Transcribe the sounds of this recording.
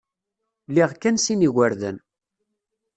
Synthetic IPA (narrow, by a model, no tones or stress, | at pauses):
liʁkːænsiniɣəɾðə̰n